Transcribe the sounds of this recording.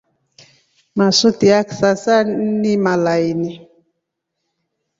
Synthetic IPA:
masotiaksasanimalajni

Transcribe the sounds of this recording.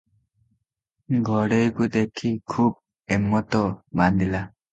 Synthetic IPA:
ɡʱɔɽejkud̪ekʰikʰub̚ | emːɔt̪ɔband̪ila

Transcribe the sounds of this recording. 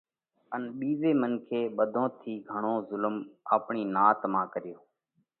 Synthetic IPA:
ənɓiːʋeːmənkʰeːɓəd̪ʱõːt̪ʰiːɡʱəɳ̃õːzʊlmaːpɳiːnaːt̪mãːkəɾɪjoː

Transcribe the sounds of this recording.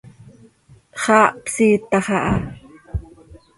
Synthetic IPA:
χɑːʔpsiːt̪ɑχɑʔɑ

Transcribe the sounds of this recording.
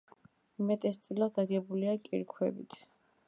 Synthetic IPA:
imɛt̪ʼɛst̪sʼilad̪d̪aɡɛbuliakʼiɾkʰwɛ̰bḭt̪ʰ

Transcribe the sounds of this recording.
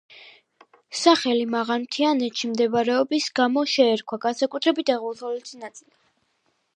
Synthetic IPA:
saχɛlimaʁaɾmt̪ʰianɛt̪ʃimd̪ɛvaɾɛɔbisɡamɔʃɛːɾkʰwaɡansakʼut̪ʰɾɛbit̪ʰaʁɔlˠt̪ʰɔlɛt̪sʰinat̪sʼili

